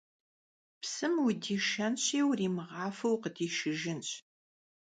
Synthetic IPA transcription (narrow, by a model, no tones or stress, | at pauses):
psɨmwʊdiːʃɐnɕiːwriːmɨʁɑːfɐwqədiːʃɪʒɪnɕ